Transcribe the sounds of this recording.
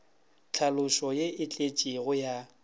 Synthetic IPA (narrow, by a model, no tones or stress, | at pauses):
t͡ɬʰalʊʃɔjeɪt͡ɬʼet͡ʃʼiɣʊja